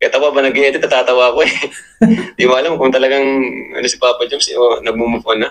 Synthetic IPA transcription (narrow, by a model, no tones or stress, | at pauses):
kɐt̪ɐwabɐnɐɡɐjɛt̪ɛt̪ɐt̪aːt̪ɐwakoɛ | d̪imaɐlɐmkʊŋt̪ɐlɐɡaŋʔɐ̰nosɪ̥paːpɐd͡ʒɐmsonɐɡ̚mumʊponɐ